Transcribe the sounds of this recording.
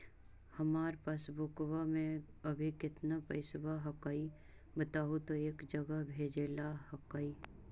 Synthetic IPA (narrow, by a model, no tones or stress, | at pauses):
hɐmaːɾpaːsbʊkwamẽɐbʱikɪt̪napɐɪsbaɦɐkaːi | bət̪aːɦut̪oeːkd͡ʒɐɡəɦbʱeːd͡ʒeːlahɐkaːi